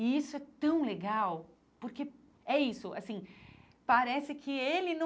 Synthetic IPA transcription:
ɪisʊɛt̪ɐ̃w̃leɡaw | poɾke | ɛisʊʔa̰sĩ | paɾɛsɪkʰɪelɪnɐ̃

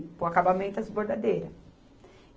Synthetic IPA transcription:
poakabamẽnt̪ɐzboɾd̪ad̪ejɾɐ

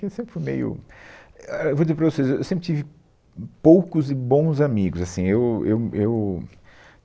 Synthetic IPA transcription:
kewsẽpɾɪ̥fujmḛjʊ̰ | ewvodd͡ʒizepɾɐvosezewewsẽmpɾɪt͡ʃivɪ | powkʊzɪbõw̃zamiɡʊzasĩewḛwew

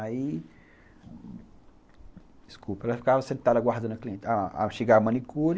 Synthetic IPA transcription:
ai | d͡ʒiskupɐɛlafi̥kavɐsẽnt̪ad̪ɐɡwaɾd̪ɐ̃nkliẽt͡ʃaa̰ʃeɡamɐ̃nikuɾ

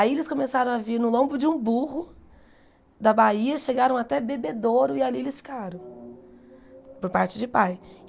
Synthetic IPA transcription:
aielɪskõmesaɾɐ̃w̃aviɾnʊlõbʊd͡ʒɪũbuɦʊ | d̪ɐbaiɐʃeɡaɾɐ̃w̃at̪ɛbebed̪oɾʊɪalielɪsfi̥kaɾɐ̃w̃ | poɾpaɾt͡ʃɪd͡ʒɪpaj

